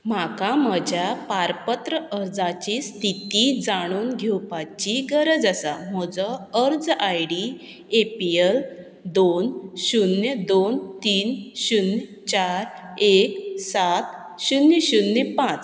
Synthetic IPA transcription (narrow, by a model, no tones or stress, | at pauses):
makaməd͡ʑjapaɾpət̪ɾəʔəɾd͡zat͡ɕiːst̪it̪id͡zaɽ̃uːnɡʱewpat͡ɕiɡəɾəd͡zasam̤ɔd͡zɔəɾd͡zajɽi | epiel | d̪onɕunjəd̪ont̪iːnɕunː | t͡ɕaɾeksat̪ | ɕunjəɕunːepãt͡s